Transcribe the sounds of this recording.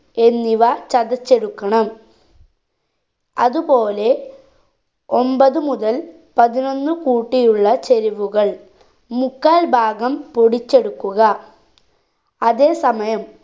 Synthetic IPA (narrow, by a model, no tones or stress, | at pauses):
e̞nːiʋɐt͡ɕɐðɐt͡ɕːe̞ɽukːɐɳɐm | ɐðupo̞ːle̞ | o̞mbɐðɨmuðɐl | pɐðino̞nːɨkuːʈːijuɭːɐt͡ɕeɾiʋuɣɐɭ | mukːaːlbʱaːɡɐmpoɽit͡ɕːe̞ɽukːuɣɐ | ɐðe̞ːsɐmɐjɐm